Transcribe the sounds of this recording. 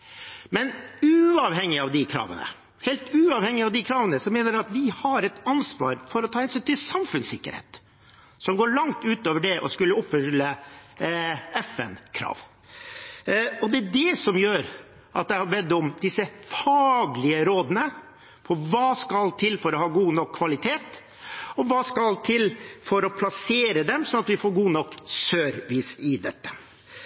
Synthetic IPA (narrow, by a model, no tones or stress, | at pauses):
mɛnʉɑʋhɛŋːɪɑʋd̪ɪkʰɾɑ̰ːʋə̰nə̰ | hɛːlt̪ʉːɑːʋhɛŋːɪɑʋd̪ɪkʰɾɑːʋənəsɔmeːnəɾɛɑt̪ʋɪhɑɾɛt̪ɑnsʋɑ̰ːɾfɔɾɔt̪ʰɑːhɛnsyːnt̪ʰɪlsɑmfʉnsɪkːə̰ɾhḛːt̪ | sɔmɡoːɭɑŋt̪ʉːt̪oːʋəɖɛʔɔskʉlːəɔpfʏlːə | ɛfɛ̰nkʰɾɑ̰ːʋ | ɔd̪ɛæd̪ɛsɔmjøːɾ | ʔɑt̪̚d̪ɛhɑbɛd̪əʊmd̪ɪsəfɑːɡlɪəɾoːd̪ənə | pʰɔʋɑːskɑlt̪ʰɪlfɔɾɔhɑːɡuːnɔkʰːʋɑlɪt̪ʰeːt̪ | ɔʋɑːskɑlt̪ʰɪlfɔɾɔpʰlɑseːɾəd̪ɛmsɔnɑt̪ʋɪfoːɾɡuːnɔkːsøːɾʋiːsɪd̪ɛt̪ːə̥